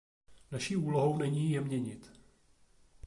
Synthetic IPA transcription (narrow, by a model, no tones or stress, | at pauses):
naʃiːʔuːloɦo̞wnɛɲiːjɛmɲɛɲɪt̪